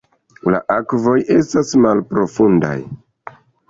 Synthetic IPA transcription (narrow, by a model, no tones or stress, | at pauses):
la̰ʔakvo̞jʔe̞stasmalpɾo̞funda̰j